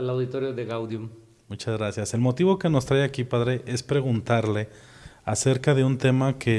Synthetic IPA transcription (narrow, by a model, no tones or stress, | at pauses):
alawðit̪oɾjoðeɣawðjum | mut͡ʃazɣɾasjase̞lmo̞t̪iβo̞ke̞no̞st̪ɾaeakipaðɾe̞ʔe̞spɾe̞ɣunt̪aɾle̞ | aseɾkaðe̞unt̪e̞makʰe